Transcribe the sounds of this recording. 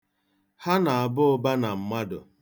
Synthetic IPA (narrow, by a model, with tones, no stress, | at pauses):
ha˦na˨a˨bʊ˦ʊ˦ba˦na˨m̩˨ma˦dʊ̰˨